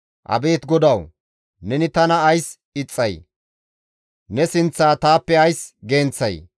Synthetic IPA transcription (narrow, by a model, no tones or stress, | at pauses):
ʔɐ̰be̞ːt̪ɡɔd̪ɐw | nɛnɪt̪ɐnɐːjs | ɪt͡sʼːɐj | nɛsɪnt͡sːaːt̪aːpːɛɐjsɡe̞ːnt͡sːɐj